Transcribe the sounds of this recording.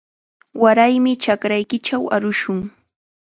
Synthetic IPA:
waɾajmɪt͡ʃakɾajkɪt͡ʃawaɾʊʃʊŋ

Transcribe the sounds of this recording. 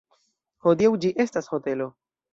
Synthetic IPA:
ho̞diawd͡ʒiʔe̞stasho̞te̞lo̞

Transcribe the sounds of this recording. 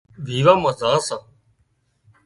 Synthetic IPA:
bʱiːʋãːməzãːsãː

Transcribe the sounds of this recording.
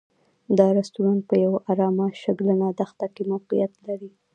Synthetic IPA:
d̪ɑɾast̪uɾant̪̚pəjawʔaɾɑmaʃaɡlənad̪axt̪akemawqijat̪laɾi

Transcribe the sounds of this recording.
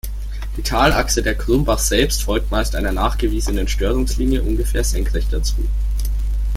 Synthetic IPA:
d̥iːtʰaːlʔaksədeːɐkʁ̥ʊmbaχz̥ɛlpstfɔlk̚tmaɪstʔaɪnɐnaːχɡ̥əviːzənənʃtøːʁʊŋsliːnjəʔʊnɡəfeːɐz̥ɛŋkʁ̥ɛçd̥at͡sṵː

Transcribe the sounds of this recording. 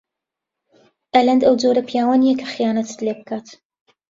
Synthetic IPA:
ʔɛlɐnd̪ɐwd͡zoɾɐpʰjaːwanijɛkʰɐ̥xɨjaːnɐt̪ʰɨ̥d̪leːbɨkʰaːt̪

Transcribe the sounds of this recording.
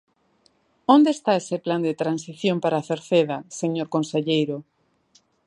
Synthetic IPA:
õnd̪eːst̪aesepland̪et̪ɾansiθjompaɾaːθeɾθeðaseɲoɾkonseʎejɾo

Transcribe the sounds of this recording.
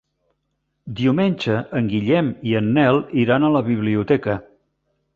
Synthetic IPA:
d̪iumenʲʒəʔːŋɡiʎɛmiənːɛlˠiɾanələβiβ̞liut̪ɛkə

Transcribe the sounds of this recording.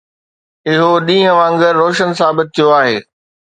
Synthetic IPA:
ɪɦoɗĩːɦə̃ʋãŋɡəɾːoːʃənsaːbɪt̪̚t̪ʰːijoaːɦeː

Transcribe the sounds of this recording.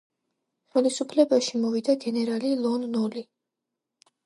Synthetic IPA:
χɛlisupʰlɛbaʃimɔvid̪aɡɛnɛɾalilˠɔnːɔli

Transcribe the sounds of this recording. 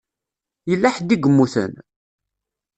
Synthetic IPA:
jəlːaħd̪iɡəmːuθə̰n

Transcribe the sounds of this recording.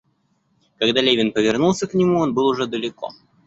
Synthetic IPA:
kɐɡd̪alʲevʲɪnpəvʲɪrnulˠsʲəknʲɪmuonbɨlˠʊʐɛd̪əlʲɪko̰

